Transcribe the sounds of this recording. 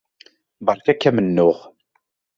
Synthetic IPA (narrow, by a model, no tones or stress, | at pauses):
bɑɾkækːæmənːʊʁ